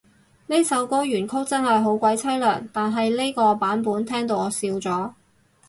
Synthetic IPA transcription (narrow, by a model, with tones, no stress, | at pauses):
ne˥sɐ˨˥wko˥wjyː˨˩nkʰʊ˥k̚t͡sɐ˥nhɐ˨jɦo˨˥wkʷɐ˨˥jt͡sʰɐ˥jlœː˨˩ŋt̪aː˨nɦɐ˨jle˥kɔː˧paː˨˥npuː˨˥nt̪ʰɛː˥ŋt̪o˧wɔː˨˧siː˧wt͡sɔː˨˥